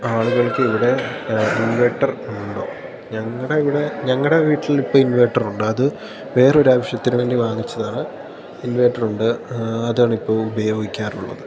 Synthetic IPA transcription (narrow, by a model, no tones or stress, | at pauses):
aːɭuɣɐɭkːɨiʋiɽe̞inʋeʈːɐruɳɖo̞̰ː | ɲɐŋːɐɽeiʋiɽe̞ɲɐŋːɐɽe̞ʋiːʈːilipːo̞ːinʋejʈːɐruɳɖɨɐðɨ | ʋe̞ːro̞ɾuaːʋɐʂjɐt̪ːinuʋeːndiʋaːŋit͡ɕːɐðaːɳɨ | inʋeːʈːɐruɳɖɨɐðaːɳipːo̞ːubɐjoːɡikʲːaːruɭːɐ̰ðɨ